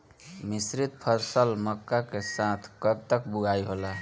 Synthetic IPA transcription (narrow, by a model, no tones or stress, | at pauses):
misɾit̪̚pʰəɾsəlməkːakesãt̪ʰkəb̚t̪əkbuɡʱaiɦolaɦ